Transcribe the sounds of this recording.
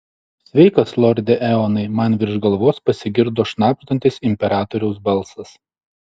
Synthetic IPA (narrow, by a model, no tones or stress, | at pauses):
sʲʋʲɛɪkɐslˠɔɾʲd̪ʲɛʔɛɔːnɐɪmɐnʋʲɪɾʲʒɡɐlˠʋoːspɐsʲɪɡʲɪɾd̪oːʃnɑːpʲt̪ɐnʲt̪ʲɪsɪmʲpʲɛɾɑːt̪ɔɾʲɛʊs̬bɐlˠsɐs